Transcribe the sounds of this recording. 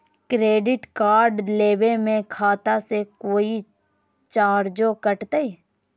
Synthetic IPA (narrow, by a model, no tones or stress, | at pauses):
kɾeːɖɪʈkaːɾɖleːʋemẽkʰaːt̪asekoːi | t͡ʃaːɾd͡ʒokəʈt̪ee